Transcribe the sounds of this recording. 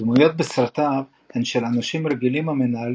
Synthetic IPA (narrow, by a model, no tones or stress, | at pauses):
dmujo̞t̪̚besɾat̪av | henʃelanaʃimɾeɡilimamenaal